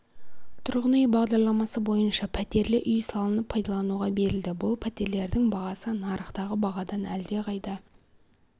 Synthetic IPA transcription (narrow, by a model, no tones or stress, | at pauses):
t̪ʰʊɾʁənʏjbɑʁd̪ɑɾlˠɑmɑsəbo̞jənʃɑpʰæt̪e̞ɾlɪʔʏjsɑlˠənəpʰːɑjd̪ɑlˠɑnuʁɑbe̞ɾɪld̪ɪbʊlˠpʰæt̪e̞ɾle̞ɾd̪ɪŋbɑʁɑsənɑɾʔəχt̪ɑʁəbɑʁɑd̪ɑnæld̪e̞qʰɑjd̪ə